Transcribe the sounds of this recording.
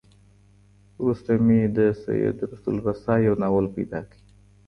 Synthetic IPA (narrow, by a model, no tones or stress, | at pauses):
ɾust̪amid̪əsa̰jḛd̪ɾast̪ṵlɣasaːjawnawəlpa̰jd̪ɑkəi